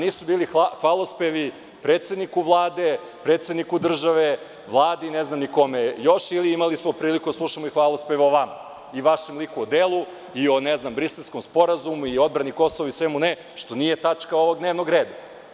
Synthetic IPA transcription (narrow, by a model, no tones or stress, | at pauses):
niːsubiːlixxʋalˠospeʋi | pɾet̪sed̪nikuʋlˠaːd̪e | pɾet̪sed̪nikud̪r̩ʒaʋe | ʋlˠaːd̪eineznamniko̞mejo̞ʃiliimalismopɾiːlikud̪aslˠuʃamoixʋaːlˠospeʋoʋama | iʋaʃemlikuod̪eːlˠu | io̞neznambɾiselˠskomspo̞ɾazumuio̞d̪bɾaniko̞soʋoisʋemune | ʃt̪onijet̪at͡ʂkaoʋo̞ɡ̚d̪neːʋnoɡɾeːd̪a